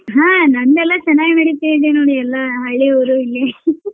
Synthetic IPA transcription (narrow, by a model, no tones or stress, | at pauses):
ɦãːnɐnd̪ɛlːɐt͡ʃɐnːaːɡnɐɽit̪ːiid̪enoːɽiɛlːɐɦɐɭːiɐwɾuilːi